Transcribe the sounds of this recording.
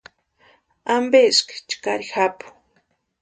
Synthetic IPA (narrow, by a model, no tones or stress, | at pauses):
ambeskt͡ʃkaɾixapʊ̥